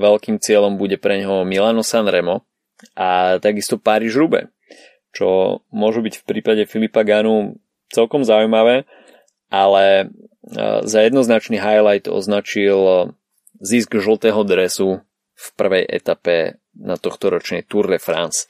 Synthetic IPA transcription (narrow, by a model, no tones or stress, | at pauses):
ʋɛlkiːmt͡sɪɛlɔmbuɟɛpɾɛɲɦɔmilanɔsanɾɛmɔ | ʔat̪aɡist̪ɔpaɾiːʒɾubɛ̰ | t͡ʃɔ̰mʊɔʒubicfpɾiːpaɟɛfilipaɡanu | t͡sɛlkɔmzaujmaʋɛː | ʔalɛ | zajɛd̪nɔznat͡ʃniɦajlajt̪ɔ̰znat͡ʃil | zizɡʒl̩ˠt̪ɛːɦɔd̪ɾɛsu | fpr̩ʋɛjʔɛ̰t̪apɛ | nat̪ɔxt̪ɔɾɔt͡ʃnɛjt̪uɾnɛfɾa̰ns